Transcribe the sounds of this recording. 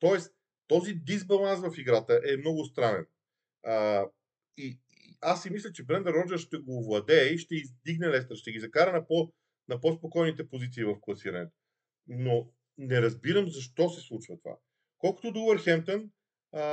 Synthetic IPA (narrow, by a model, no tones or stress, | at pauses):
t̪ɔɛs | t̪ɔzid̪izbɐlˠansvɐfiɡɾat̪əʔɛmnɔɡʊst̪ɾanɛ̰n | ə | i | i | asːimislʲət͡ʃɛbɾɛnd̪əɾːɔd͡ʒɛɾʃt̪ɛɡovlˠɐd̪ɛiʃt̪ɛizd̪iɡnɛlɛs̬t̪əɾʃt̪ɛɡizɐkaɾɐnɐpɔ | nɐpɔspokɔjnit̪ɛpozit̪siːvɐfklˠɐsiɾɐnɛt̪o̥ | no | nɛɾɐzbiɾəmzɐʃt̪ɔsɛslˠut͡ʃvət̪ova̰ | kɔlˠkʊ̥t̪od̪obəɾxɛmt̪ən